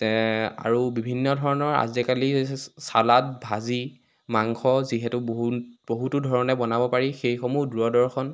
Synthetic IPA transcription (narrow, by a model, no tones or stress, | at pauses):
a̰ɹubibʱinːɔdʱɔɹɔnɔɹa̰zɛkalisalat̚bʱazi | maŋxɔziɦɛtʊboɦuboɦutudʱɔɹɔnɛbɔnabɔpaɹixejxɔmuduɹɔdɔɹkʰɔn